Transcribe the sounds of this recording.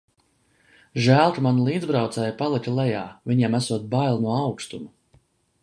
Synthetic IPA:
ʒæːlˠt̪umanulˠiːd̪zbɾawt̪sɛːjupalˠicʲulˠɛjaːvʲiɲɛmasuɔt̪̚bajlˠnuɔawkst̪umu

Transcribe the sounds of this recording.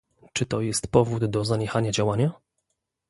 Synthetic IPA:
t͡ʂɘt̪ɔjɛst̪pɔvud̪ːɔzaɲɛxaɲad͡ʑawaɲa

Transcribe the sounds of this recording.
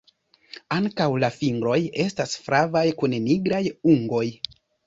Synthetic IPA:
aŋkawlafiŋɡɾo̞je̞stasfɾʔavajkunniɡɾajuŋɡo̞j

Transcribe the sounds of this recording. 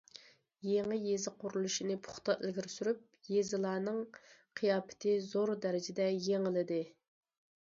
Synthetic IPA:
jeŋɨjezɨqʊɾulˠuʃinɨpʰʊ̥χt̪ɑʔɪlɡʲiɾsyɾyp̚jezɪlˠɑːnɨŋqʰijɑːpʰɪ̥t̪ʰɪzoɾd̪ɛɾɪd͡ʒɪd̪ɛjeŋɪlɪd̪ɪ

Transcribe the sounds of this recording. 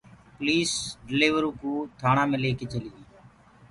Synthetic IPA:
pliːsɖɪliːʋəɾuːkuːt̪ʰaːɳãːmẽːleːkeːt͡ʃəliːʋiː

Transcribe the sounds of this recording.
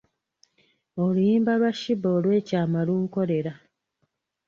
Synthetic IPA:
olujiːmbalwaʃiboːlwe̞ːcaːmaluːŋko̞le̞ɾa

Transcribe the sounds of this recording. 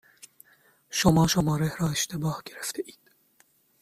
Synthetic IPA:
ʃomɒːʃomɒːɾehɾɒːeʃt̪ʰe̞bɒːhɟe̞ɾeft̪ʰeʔi̥ːd̪̥

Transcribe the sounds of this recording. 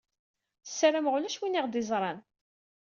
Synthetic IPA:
sːæɾamʁʊlæʃwiniʁd̪ɪzˤɾˤɑn

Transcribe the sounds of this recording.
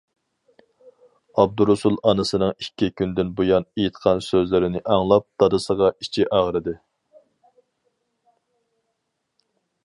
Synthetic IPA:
ɑb̚d̪uɾusulˠɑnɨsɨnɨŋikʲːikʲʰynd̪ɪnbujɑnejit̪qʰɑnsøzlɪɾɪnɪʔɑŋlˠɑp̚d̪̥ɑd̪ɨsəʁɑit͡ʃʰiʔɑʁɾɨd̪ɨ

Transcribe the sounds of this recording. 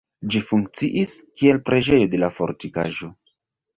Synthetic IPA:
d͡ʒifuŋk̚t͡siʔiskie̞lpɾe̞d͡ʒe̞jo̞de̞lafo̞̰ɾtika̰ʒo̞

